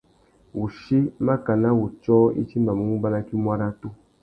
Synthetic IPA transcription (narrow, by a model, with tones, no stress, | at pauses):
wu˨ʃi˦ma˦ka˨na˦wu˨t͡ʃɔ˦ḭ˦t͡ʃi˦ma˨mu˨˦ŋu˦ba˦na˦ki˦m˦a˦ɾa˦to˦